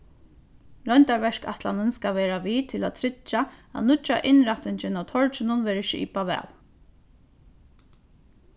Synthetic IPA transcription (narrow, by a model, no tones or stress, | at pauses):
ɾœjnt̪aɹʋɛʂka̰ht̪lanɪnskaʋɛːɾaʋiːt̪ʰɪla̰t̪ʰɾɪt͡ʃːaa̰nʊt͡ʃːa̰ʔɪnɾaht̪ɪɲt͡ʃɪnawt̪ʰɔɹt͡ʃɪnʊnʋɛːɾɪʃɪʔḭːpaʋɛ̰ːl